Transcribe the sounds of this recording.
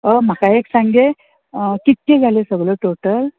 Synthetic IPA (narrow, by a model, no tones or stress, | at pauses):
əm̤akaeksãŋɡe | kit̪̚ked͡zʱalesəɡləʈoʈəl